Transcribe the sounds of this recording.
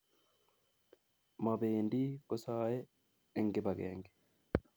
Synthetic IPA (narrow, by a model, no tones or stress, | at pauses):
mɐbeːnd̪iːkɔsaːjɛ | ɪŋɡɪbɐɡḛːŋɡɪ̥